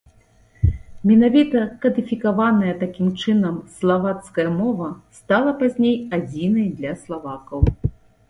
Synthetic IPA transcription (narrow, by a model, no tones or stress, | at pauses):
mʲɛnavʲit̪ɐkɐd̪ifʲikavanɐjɛt̪akʲimt͡ʂɨnɐmslˠavat̪skɐjɐmɔvɐst̪alˠɐpazʲnʲejad͡zʲinɐjd̪lʲɐslˠavakɐw